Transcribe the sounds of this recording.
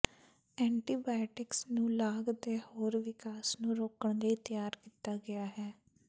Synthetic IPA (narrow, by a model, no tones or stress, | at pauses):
ɛːɳʈiːbaːɪʈɪksnũːlaːɡd̪eːhoːɾʋɪkaːsnũːɾoːkəɳleit̪ɪjaːɾkiːt̪aːɡɪjaːɦɛː